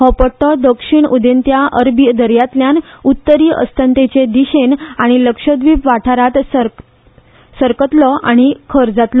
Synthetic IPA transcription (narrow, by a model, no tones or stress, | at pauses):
hɔpəʈɔd̪əkʂiɳud̪ent̪jaʔəɾbid̪əɾjat̪ljanut̪ːəɾiːʔə̰st̪ənt̪et͡ɕed̪iɕenaɽ̃iləkʂəd̪ʋipʋaʈʰaɾat̪s | səɾkət̪lɔaɽ̃ikʰəɾd͡zat̪lɔ